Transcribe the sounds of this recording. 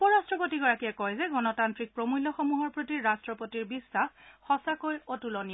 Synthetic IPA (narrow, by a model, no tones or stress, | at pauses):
pɔɹastɹɔp̬otiɡɔɹakiɛkɔjzɛɡɔnɔtantɹik̚pɹomujlːɔxɔmuɦɔɹpɹotiɹɹastɹɔpotiɹbisːaxːɔsakojotulɔni